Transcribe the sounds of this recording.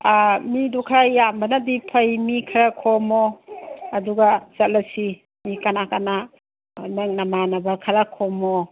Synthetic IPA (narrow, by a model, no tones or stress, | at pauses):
midukʰajjambɐnadipʰɐjmikʰɐɾakʰɔmɔː | duɡaz̥at̚lɐsi | mikanakana | naŋnamanabakʰɐɾakʰɔmɔ